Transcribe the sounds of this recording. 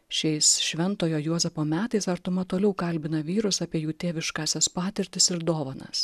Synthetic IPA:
ʃʲɛɪsʃʲʋʲɛnt̪oːjoːjuɔzʲɛfoːmʲæːt̪ɐɪsɐɾt̪ʊmɐt̪oːlʲɛʊkɐlʲbʲɪnɐʋʲiːɾʊsɑːpʲiɛjuːt̪ʲeːʋʲɪʃkɑːsʲɛspɑːt̪ʲɪɾʲt̪ʲɪsɪɾd̪oːʋoːnɐ̰s

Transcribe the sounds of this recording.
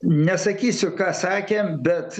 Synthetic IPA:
nʲɛsɐkʲiːsʲʊkɑːsɑːkʲeːmbʲɛt̪

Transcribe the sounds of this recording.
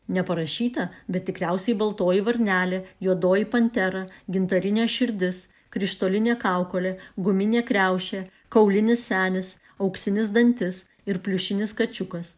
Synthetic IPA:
nʲɛpɐɾɐʃʲiːt̪ɐbʲɛt̪̚t̪ʲɪkɾʲæˑʊsʲɛɪbɐlˠt̪oːjiʋɐɾʲnʲæːlʲejuɔd̪oːjipɐnʲt̪ʲɛɾɐɡʲɪnt̪ɐɾʲɪnʲeːʃʲɪɾʲd̪ʲɪs | kɾʲɪʃt̪oːlʲɪnʲeːkɑˑʊkoːlʲeːɡʊmʲɪnʲeːkɾʲæˑʊʃʲeː | kɐʊlʲɪnʲɪsʲsʲæːnʲɪs | ɐʊksʲɪnʲɪs̬d̪ɐnʲt̪ʲɪs | ɪɾpʲlʲʊʃʲɪnʲɪskɐt͡ʃʲʊkɐs

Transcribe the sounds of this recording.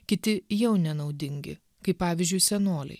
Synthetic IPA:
kʲɪt̪ʲɪjɛʊnʲɛnɒʊd̪ʲɪŋʲɡʲɪ̰ | kɐɪppːɑːʋʲɪzʲd͡ʒʲʊɪsʲɛnoːlʲɛ̰ɪ

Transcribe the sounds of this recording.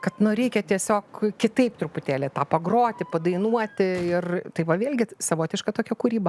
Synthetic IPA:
kɐt̪nʊɾʲɛɪkʲɛt̪ʲiɛsʲoːkkʲɪt̪ɐɪpt̪ɾʊpʊt̪ʲeːlʲet̪ɑːpɐɡɾoːt̪ʲɪpɐd̪ɐɪnuɔt̪ʲɪɪrt̪ɐɪʋɐʋʲeːlʲɡʲɪsɐʋoːt̪ʲɪʃkɐt̪oːkʲɛkuːɾʲiːbɐ

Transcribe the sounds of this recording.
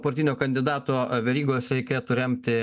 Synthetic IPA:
pɐɾt̪ʲiːnʲoːkɐnʲd̪ʲɪd̪ɑːt̪oːʋʲɛɾʲiːɡoːsɾʲɛɪkʲeːt̪ʊɾʲɛmʲt̪ʲɪ

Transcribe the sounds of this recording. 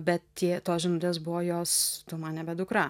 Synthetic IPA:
bʲɛt̪t̪ʲiɛt̪oːsʒʲɪnuːt̪ʲeːs̬bʊʋoːjoːst̪omɐnnʲɛbʲɛd̪ʊkɾɑ

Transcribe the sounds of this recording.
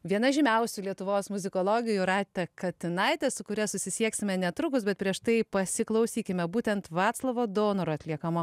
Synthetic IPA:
ʋʲiɛnɐʒʲɪmʲɛʊsʲʊlʲiɛt̪ʊʋoːsmʊzʲɪkoːlˠoːɡʲɪjuɾɑːt̪ʲɛkɐt̪ʲɪnɐɪt̪ʲɛsʊkʊɾʲɛsʊsʲɪsʲiɛksʲɪmʲɛnʲɛt̪ɾʊkʊs̬bʲɛt̪̚pʲɾʲiɛʃt̪ɐɪpɐsʲɪklˠɐʊsʲiːkʲɪmʲɛbuːt̪ʲɛnt̪ʋɑːt̪slˠɐʋoːd̪oːnoɾʊɐt̪ʲlʲiɛkɐmo

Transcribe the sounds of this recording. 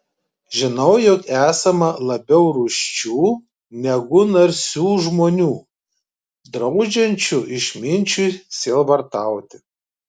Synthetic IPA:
ʒʲɪnɐʊjɔkæːsɐmɐlˠɐbʲɛʊɾuːʃʲt͡ʃʲuː | nʲɛɡʊnɐɾʲsʲuːʒmoːnʲuː | d̪ɾɒʊd͡ʒʲɛnʲt͡ʃʲʊʔɪʃʲmʲɪnʲt͡ʃʲusʲeːlˠʋɐɾt̪ɑˑʊt̪ʲɪ

